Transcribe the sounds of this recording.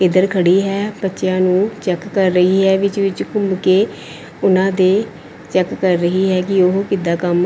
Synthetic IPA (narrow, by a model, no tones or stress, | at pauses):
ɪd̪əɾkʰəɽiːɦɛːbətːʃjãːnũːt͡ʃɛkːəɾːəɦiːɦɛːʋɪt͡ʃʋɪt͡ʃkʊmbkeː | ʊnãːd̪eː | t͡ʃɛkːəɾːəɦiːɦɛːkɪoɦkɪd̪aːkəm